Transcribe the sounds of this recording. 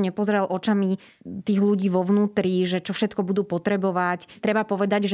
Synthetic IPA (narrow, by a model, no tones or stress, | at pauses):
ɲɛpɔzɾɛlʔɔt͡ʃami | t̪iːɣluɟiːʋɔʋnuːt̪ɾiʒɛt͡ʃɔfʃɛt̪kɔbud̪uːpɔt̪ɾɛbɔʋact̪ɾɛbapɔʋɛd̪aɟʒ